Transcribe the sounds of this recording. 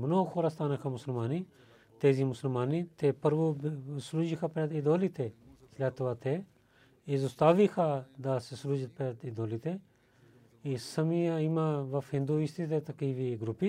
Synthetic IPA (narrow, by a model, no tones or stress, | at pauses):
mənoːkʰoːɾaːst̪ʰaːnaːkʰamʊsəlmaːni | t̪eːziːmʊsəlmaːnit̪eːpəɾbuːbsɾuːd͡ʒikʰaːpad̪ɪd̪oːliːt̪ʰeːslaːt̪ʋaːt̪ʰe | izʊst̪aːʋikʰaːd̪aːssɾuːd͡ʒt̪̚ped̪id̪oːlit̪ʰeː | isəmiaimãːʋɐfɦɪ̃nd̪uːist̪it̪eːt̪ɐkiːʋiːɡɾupi